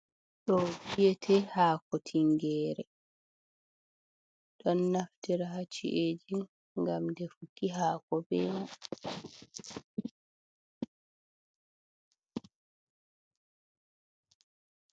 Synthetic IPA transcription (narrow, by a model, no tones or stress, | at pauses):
ɗɔbijɛtʰɛhaːkɔtʰiŋɡɛːɾɛ | ɗɔnːaftiɾaɦat͡ʃḭʔeːd͡ʒi | ŋɡamdɛfukːiɦaːkɔbɛːma